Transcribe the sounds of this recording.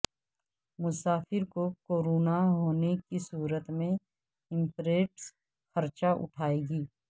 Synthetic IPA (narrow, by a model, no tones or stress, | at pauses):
mʊsaːfɪɾkokoːɾoːnaɦoːnekisuːɾət̪mẽ | ɪ̃mpɾeːʈs | xɐɾt͡ʃaʔʊ̰ʈʰaːeːɡiː